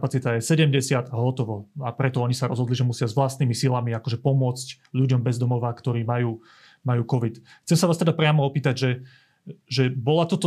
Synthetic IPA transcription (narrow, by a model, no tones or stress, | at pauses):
pat͡sit̪ajɛsɛɟɛmɟɛsɪad̪aɦɔt̪ɔʋɔapɾɛt̪ɔɔɲisaɾɔzɦɔd̪liʒɛmusɪazʋlast̪niːmisilamiakɔʒɛpɔmʊɔt͡sc | ʎuɟɔmbɛzd̪ɔmɔʋakt̪ɔɾiːmajuː | majuːkɔʋit̪ | xt͡sɛmsaʋaːst̪ɛd̪apɾɪamɔɔpiːt̪aɟʒɛ | ʒɛbɔlat̪ɔt̪ɔ